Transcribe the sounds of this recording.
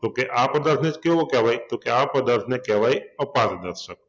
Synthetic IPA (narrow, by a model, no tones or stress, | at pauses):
t̪oːkeʔaːpɐd̪ɐɾt̪ʰnet͡ʃkeookɛʋaːit̪oːkeaːpɐd̪ɐɾt̪ʰnẽkɛːʋaːiɐpaːt̪d̪ɐt̪ʰsɐk̚